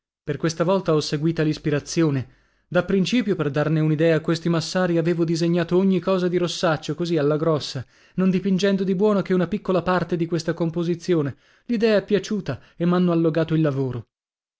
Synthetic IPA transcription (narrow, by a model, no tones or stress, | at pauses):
perkwest̪avɔlt̪aɔsːeɡwiːt̪alispiɾat̪sːjoːne | d̪apːɾint͡ʃiːpjoperd̪arneunid̪ɛːaːkːwest̪imasːaːɾiaveːvod̪izeɲːaːt̪ooɲːikɔːzad̪iɾosːat͡ʃːokozialːaɡɾɔsːa | nond̪ipind͡ʒɛnd̪od̪ibwɔːnokeunapikːolapart̪ed̪ikwest̪akompozit̪sːjoːne | lid̪ɛːaɛpːjat͡ʃuːt̪a | emːanːoalːoɡaːt̪oilːavoːɾo